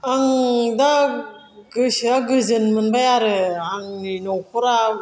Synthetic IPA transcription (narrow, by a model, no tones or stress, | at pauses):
aŋda | ɡɯsiaɡɯzɯnmɯnbajaɾɯaŋninowkuɾa